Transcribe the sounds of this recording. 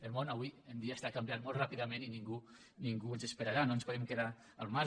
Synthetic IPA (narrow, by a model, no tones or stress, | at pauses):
elmõnaβwiend̪iast̪akambjat̪molˠtrapiðəmẽniniŋɡu | niŋɡuenzespeɾaɾanoenspoðɛmkeða | əlˠma